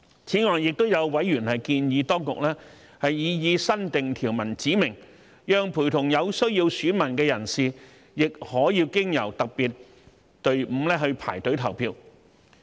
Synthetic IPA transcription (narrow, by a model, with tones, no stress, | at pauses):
t͡sʰiː˨˥ŋɔː˨˩ŋjɪ˨k̚t̪o˥wjɐ˨˧wwɐ˨˥jːyː˨˩nhɐ˨jkiː˧njiː˨˧t̪ɔː˥ŋkʊ̰˨k̚lɛː˥ | hɐ˨jːiː˨˧jiː˨˧sɐ˥nt̪ɪ˨ŋt̪ʰiː˨˩wmɐ˨˩nt͡siː˨˥mɪ˨˩ŋ | jœː˨ŋpʰuː˨˩t̪ʰʊ˨˩ŋjɐ˨˧wsɵ˥ɥjiː˧wsyː˨˥nmɐ˨˩nkɛː˧jɐ˨˩nsiː˨ | jɪ˨k̚hɔː˨˥jiː˧wkɪ˥ŋjɐ̰˨˩wt̪ɐ˨k̚piː˨t̚ | t̪ɵ˧ɥm̩˨˧lɛː˥ɦɵ˧ɥpʰa̰ː˨˩jt̪ɵ˨˥ɥt̪ʰɐ˨˩wpʰiː˧w